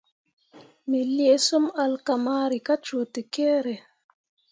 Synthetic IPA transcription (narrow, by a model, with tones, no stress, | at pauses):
mi˨lje˨˦so˦ma˧lka˨ma˦ɾi˨ka˦t͡ʃo˨te˨ke˦ɾe˨